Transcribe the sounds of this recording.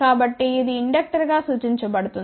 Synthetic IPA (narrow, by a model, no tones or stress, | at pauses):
aːbɐʈːiːd̪iːɳɖɐk̚ʈɐɾɡaːsuːt͡ʃiɲt͡ʃɐpɐɽut̪un